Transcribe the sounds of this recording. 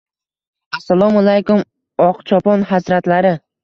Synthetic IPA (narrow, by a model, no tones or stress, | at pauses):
asːalˠɒmalajkʊm | ɒqt͡ʃʰɒpɒnɦazɾat̪laɾɪ